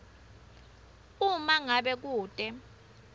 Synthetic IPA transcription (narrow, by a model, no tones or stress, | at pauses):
umaŋaɓɛk̬uːtʼɛ